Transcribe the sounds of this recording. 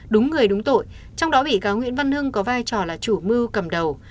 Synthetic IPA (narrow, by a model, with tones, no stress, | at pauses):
ɗʊ˨˦ŋ͡mːɨ˨˩əjɗʊ˨˦ŋ͡mt̪o̰˧˨j | t͡ɕɔ˧wŋ͡mɗɔ˨˦ɓḭ˧˨kaː˨˦wŋwḭ˧˥ənvə˧nhɨ˧ŋkɔ˨˦vaː˧jt͡ɕɔ˨˩laː˨˩t͡ɕu˧˩mɨ˧wkə˨˩mɗə˨˩w